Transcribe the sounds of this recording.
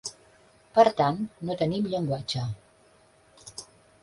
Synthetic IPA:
pərt̪anːot̪ənimʎəŋɡwat͡ʃa

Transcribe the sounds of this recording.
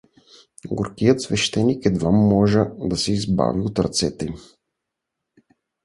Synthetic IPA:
ɡoɾkijət̪svɛʃt̪ɛnikɛd̪vamːɔʒəd̪ɐsɛizba̰viot̪ɾɐt̪sɛt̪ɛ

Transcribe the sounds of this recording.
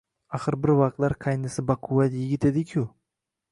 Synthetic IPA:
aχɨɾbɪɾvɑqt̪laɾqʰɑjnɪsɪbaqʰʊwat̪jɪɡʲɪt̪e̞d̪ɪkʲʰʊ

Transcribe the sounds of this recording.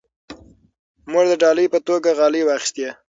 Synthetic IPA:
mod̪əɖɑləjpət̪oɡaɣɑliwɑxi̥st̪je

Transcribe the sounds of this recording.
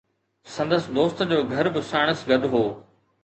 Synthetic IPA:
sɐ̃nd̪əsɪd̪oːst̪d͡ʑoːɡʱɐɾbɪsaːɽ̃əsɡɐɗ̪ɦoː

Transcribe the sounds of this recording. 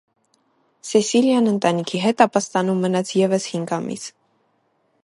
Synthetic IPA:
sɛsiljɑnənt̪ɑnikʰiɦɛt̪ɑpɑst̪ɑnumːənɑt͡sʰjɛvəshiŋɡɑmḭs

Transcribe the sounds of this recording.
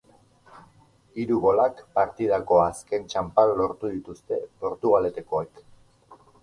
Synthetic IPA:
iɾuɣo̞lakpaɾt̪iðako̞aske̞nt͡ʃampaɾolo̞ɾt̪uðit̪ust̪e̞po̞ɾt̪uɣ̞ale̞t̪e̞ko̞ek

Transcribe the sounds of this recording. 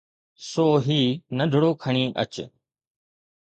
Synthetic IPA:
soːɦiːnəd̪ʱʊɽoːkʰəɳ̃iːʔə̰t͡ʃ

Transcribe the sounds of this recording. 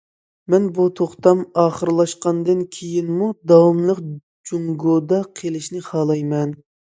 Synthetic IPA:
mɛnbut̪ʰoχt̪ɑmɑːχəɾlˠɑʃqɑnd̪ɨnkʲʰejinmud̪ɑwmlˠəq | d͡ʒuŋɡod̪ɑqʰelɪʃnɪχɑːlˠɑjmɛn

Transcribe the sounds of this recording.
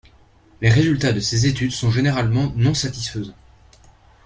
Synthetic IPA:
leʁezylt̪ad̪əsezet̪yd̪sɔ̃ʒeneʁalmɑ̃nɔ̃sat̪isfəzɑ̃

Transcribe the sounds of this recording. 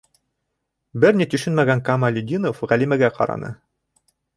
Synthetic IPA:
bɘɾnit̪ɵ̆ʃɵnmæɡæŋkɑmɑlʲɵd̪ʲinofʁælimæɡæqʰɑ̰ɾɑ̰nɤ̰

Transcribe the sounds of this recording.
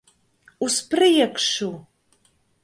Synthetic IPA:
uspʰrɨjɛkʷʰʂu

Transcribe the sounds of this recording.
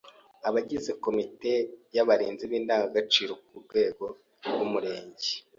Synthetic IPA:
aβaɟizeko̞mite̞jaβaɾiːnziβiːndaːŋɡaɡat͡ʃiːɾokuɾɡwe̞ːɡo̞ | ɡumuɾe̞ːɲɟe̥

